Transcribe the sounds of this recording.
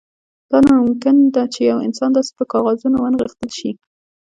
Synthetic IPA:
d̪̥ɑnamʊmkɪnd̪at͡ʃejawɪ̰nsɑnd̪ɑse̥pəkɑɣɑzunowanɣixt̪əlʃi

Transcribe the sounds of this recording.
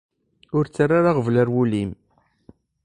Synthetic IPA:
ʊɾt͡sːarːaɾaʁəvləɾwulim

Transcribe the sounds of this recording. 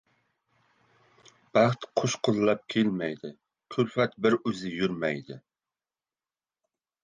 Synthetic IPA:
b̥æχt̪qʰoʃqʰəzɨlˠɑp̚kʲʰelmɛjd̪ɪ | kʲʰylfɛt̪bɪɾøzɪjyɾmɛjd̪ɪ

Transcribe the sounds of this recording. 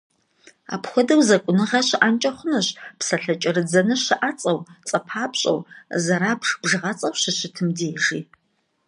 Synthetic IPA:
a̰ːpxʷɔdɐwzɐkʷʼʊnɨʁɐɕɪʔant͡ʃʼɐχʷʊnɐɕpsɐɬɐt͡ʃʼɪɾɨd͡zɐnɨʃɪʔat͡sʼɐwt͡sʼɐpʰaːpɕʼɐ̰wzɐɾaːpʰʂb̥ʐɨʁɐt͡sʼɐwʃɕɪɕɪtʰɨmdeːʒiː

